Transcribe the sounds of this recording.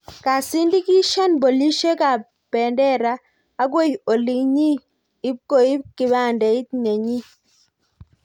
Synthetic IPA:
ka˨si˦ndi˦ki˦ʃa˦nbo˨li˦ʃe˦ka˨ | pɛ˨ndɛ˦ɾaː˨˦ | ɡwo˦jo˨li˨ŋɲi˦ | i˦ko˨i˦ki˨ba˦˨ndɛ˨i˦tɲe˨ɲi˦

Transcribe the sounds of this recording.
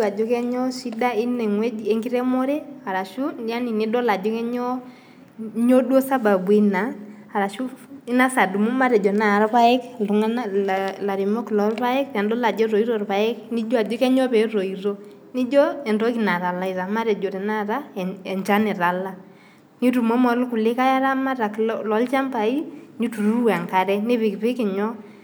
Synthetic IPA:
a˨d͡ʒɔ˦kɛ˦ɲɔ˦si˦da˦i˦nɛ˨ŋwɛ˦d͡ʒe˦ŋɡi˦ɾɛ˦mɔ˦ɾɛ˦a˨ɾa˨ʃu˦n˦a˦ni˨ni˦dɔ˦la˨d͡ʒɔ˦kɛ˦ɲɔ˦ | ɲo˦dwo˦sa˦ba˨bwi˦na˨ | a˨ɾa˨ʃu˦i˦na˦sa˨du˨mu˦ma˦ɾɛ˨d͡ʒɔ˨na˨ɾa˦pa˦ɛ˦klu˨ŋa˦na˦˨la˨ɾi˨mɔ˦klɔ˨˦ɾpa˦ɛ˦kpa˨ndɔ˦la˨d͡ʒɔ˦ɾo˨i˦ɾɔ˦˨ɾpa˨ɛ˦kni˦d͡ʒɔ˦a˨d͡ʒɔ˦kɛ˦ɲɔ˦pɛ˨˦ɾo˨i˨ɾo˦ | nɪ˦d͡ʒɔ˦ɛ˨ndɔ˦ki˨na˨ɾa˨la˨i˨za˨ma˦ɾɛ˨d͡ʒɔ˨ɾɛ˨na˦ɾa˦˨ɛ˨ɲt͡ʃa˦nɪ˨ɾa˨la˦ | ni˦tu˨mɔ˦mɔ˨lkʊ˨lɪ˦ka˦ja˦ɾa˦ma˦ɾa˨kllɔ˦lt͡ʃa˦mba˨i˦ni˦tu˨ɾu˦wa˨ŋka˨ɾɛ˦nɪ˦βɪ˨kpɪ˦kɪ˨ɲɔ˦

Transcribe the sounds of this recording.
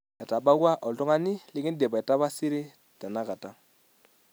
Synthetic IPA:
ɛ˨ta˨ba˦ku˦a˦ʔɔ˨tɔ˦ŋa˦nɪ˦lɪ˦kɪ˦n˦dɛ˨pa˨ɛ˨ta˦ba˦si˦ɾɪ˦ | ta˨na˦ka˨ta˦

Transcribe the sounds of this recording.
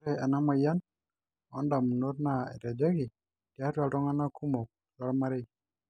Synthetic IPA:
ɾɛ˨a˨na˦ma˨ja˦n | ɔ̰˦nda˨mu˨no˦tna˨ɛ̰˨ɾɛ˨d͡ʒɛ˦kɪ˨ | d̥ja˦ta˨ldɔ˦ŋa˦na˦ku˦mo˨k̚ | ta˦lma˦ɾɪ˦

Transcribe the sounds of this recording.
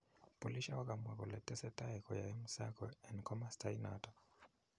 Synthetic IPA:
pɔ˨li˦ʃa˦wa˦ka˨mwɛ˨kɔ˨lɛ˨tɛ˦sɛ˦ta˦ɛkɔ˨ja˨ɛ˦mu˦sa˦kɔ˨ɛnkɔ˦mastaina̰tɔ˨

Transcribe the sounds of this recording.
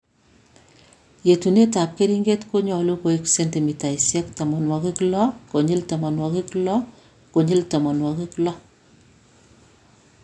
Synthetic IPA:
je˨tu˨ne˦ta˨p̚ke˦ɾi˦ŋɡe˦tko˦ɲɔ˨lu˦ko˨iksenti˨mi˨ta˨isjɛ˦ktɐ˨mɔ˨nwɔ˨ki˦klɔ˦ko˨ɲi˦ltɔ˨mɔ˨nwɔ˨ki˦klɔ˦ | ko˨ɲi˦ltɔ˨mɔ˨nwɔ˨ki˦klɔ˦

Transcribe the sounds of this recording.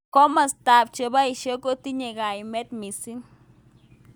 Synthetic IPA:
ko˦ma˨st̪a˨b̚t͡ʃe˨ba˦i˨ʃe˦ko˦t̪i˦ɲe˨ɡa˨ji˨me˦t̪mi˨si˦ŋ

